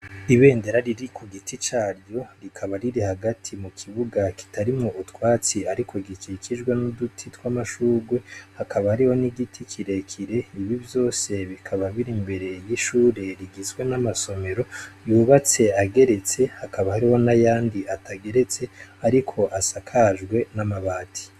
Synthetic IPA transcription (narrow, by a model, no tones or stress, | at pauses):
iβe̞ːnde̞ɾaɾiɾikuɡitit͡ʃaːɾɟo̞ɾikʰaβaɾiɾihaɡatʰimukʰiβuɡaki̥taɾimŋoʔutwaːt͡siaɾikʰo̞ɡikikʰiʒɡwenudutʰitwamaʃuːɡwe̞hakʰaβahaɾiho̞niɡitʰikʰiɾe̞kʰiɾe̞iβivjo̞ːse̞βikʰaβaβiɾimbe̞ɾe̞jiʃuːɾe̞ɾiɡizɡwe̞namaso̞me̞ɾo̞juːβat͡se̞aɡe̞ɾe̞t͡se̞hakaβahaɾiho̞najaːndiatʰaɡe̞ɾe̞t͡se̞aɾikʰo̞ʔasakʰaʒɡwe̞namaβaːtʰi̥